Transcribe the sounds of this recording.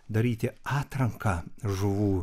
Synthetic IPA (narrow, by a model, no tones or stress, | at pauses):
d̪ɐɾʲiːt̪ʲɪɑːt̪ɾɐŋkɐʒʊʋuː